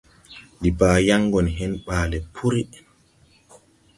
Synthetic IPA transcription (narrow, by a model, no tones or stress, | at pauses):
ɗibaːjaŋɡɔnɦɛnɓaːlɛpʰuɾi